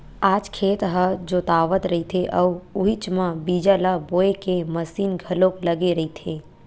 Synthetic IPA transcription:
aːd͡ʒkʰeːt̪ɦəd͡ʒoːt̪aːʋət̪ɾɐɦit̪ʰeʔəʋʊɦit͡ʃmãbiːd͡ʒalaboːekeməsiːnɡʱɐlõkləɡeɾɐɦit̪ʰeː

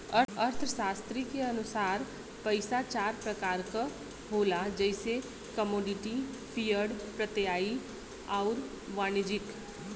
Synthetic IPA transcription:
əɾəɾt̪ʰəʃaːst̪ɾikeɐnʊsaːɾ | pəɪsat͡ʃaːɾpɾəkaːɾka | ɦoːlad͡ʒəɪse | kəmoːɖɪʈi | pʰijəɖpɾət̪jaːi | ɔːʊɾ | ʋaːnɪd͡ʒɪk

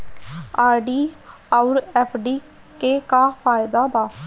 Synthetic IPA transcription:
aːɾɖiː | aʊɾɛːpʰɖiː | keːkaːpʰaːɪd̪aːbaː

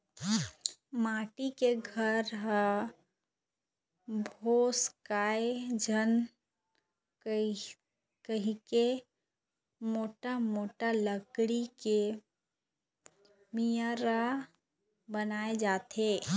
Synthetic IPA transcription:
maːʈikeɡʱəɾɦə | bʱoːskaːed͡ʒʱən | kəɦĩke | moːʈamoːʈaləkɽike | mijəɾa | bənaːed͡ʒaːt̪eː

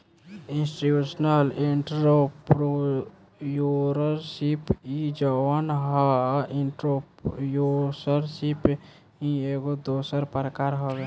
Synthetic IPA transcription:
ĩnsʈiusnəliɳʈɾopɾo | juɾəɾsipid͡ʒəwənɦɔiɳʈɾopjosəɾsip | ɦĩeɡod̪osəɾpəɾəkaɾɦoɡɛ

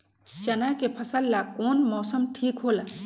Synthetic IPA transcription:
t͡ʃɐnajkepʰɐsəlːakoːnmɔːsəmʈʰiːkɦoːlaː

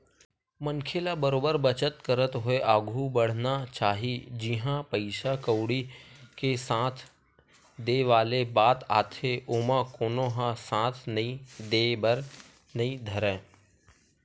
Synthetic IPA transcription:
məŋkʰeːlabəɾoːbəɾbət͡ʃət̪kəɾət̪ɦoeʔaːɡʱubəɽ̤nat͡ʃaːɦid͡ʒɪɦãpəɪʃakəʊɽikesãːt̪ʰ | d̪eːʋaːlebaːt̪aːt̪ʰeʔoːmãkoːnoɦãsãːt̪ʰnəĩd̪eːbəɾ | nɐɦĩd̪ʱəɾẽː

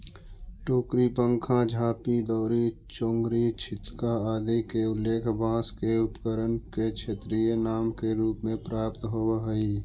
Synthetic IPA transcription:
ʈoːkɾipə̃ŋkʰãd͡ʒʱaːpid̪ɔːɾit͡ʃõːŋɡɾit͡ʃʰɪt̪kaaːd̪ikeʊlːeːkʰbãːskeʊpkəɾənket͡ʃʰet̪ɾijənaːmkeɾuːpmẽpɾaːpt̪ɦoːɦəi

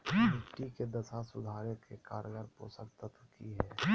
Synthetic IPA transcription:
mɪʈiked̪ɐsasʊd̪ʱaːɾekekaːɾɡəɾpo̰ːsəkt̪ət̪ʰʊkiɦɛː

